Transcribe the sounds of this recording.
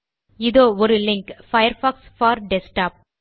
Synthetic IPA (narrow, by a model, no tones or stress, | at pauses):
ɪðoːɔɾɯlɪŋkfɐjɐɾfaːksfaːɾɖɛsʈaːp̚